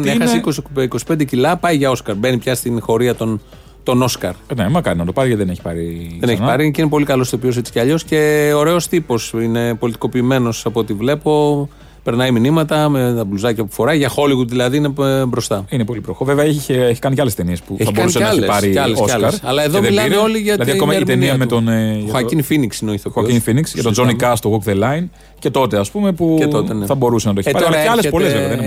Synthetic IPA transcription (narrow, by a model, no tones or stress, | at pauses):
nexɐsikosiko̞si̥pend̪ecilɐpɐiʝɐo̞skɐɾbe̞nipçɐst̪inxo̞ɾiɐt̪on | t̪o̞no̞skɐɾnemɐkɐɾinɐt̪o̞pɐɾiceðeneçi̥pɐɾiðeneçiipɐɾiceinep̬o̞likɐlo̞si̥opios̬et͡si̥ceɐʎo̞sce̞oɾe̞o̞st̪ipo̞sine̞po̞lit̪i̥ko̞piːme̞no̞sɐpoot̪ivle̞po̞ | pe̞ɾnɐjminimɐt̪ɐmet̪ɐbluzɐcɐpu̥fo̞ɾɐjʝɐxo̞liɣuðilɐðiine̞bɾo̞st̪ɐinepo̞lipɾoxoveveɐeçeeçi̥kɐnicɐle̞st̪e̞niespueçθɐbkoɐnuseneɐlçepɾieɐlesoɐɐɾɐlɐe̞ðomðeilɐeo̞liʝɐlɐðiɐomɐjet̪eniɐmet̪onxɐiŋfiniksinoiθokinfiniksʝɐt̪ozonikɐst̪oɣokðelɐin | ce̞t̪o̞t̪e̞ɐspume̞pueot̪eneθɐbo̞ɾusenɐt̪oeçɐɾoɐeɐlesepolezveɐðn